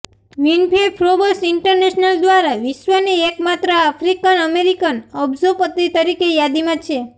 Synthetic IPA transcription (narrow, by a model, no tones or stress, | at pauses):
ʋinpʰepʰɾobəsɪɳʈəɾneʃnəld̪ʋaɾaʋiʃʋəniekmat̪ɾəafʰɾikənəmeɾikənɔbzəɾpət̪it̪əɾikejad̪imãt͡ʃʰe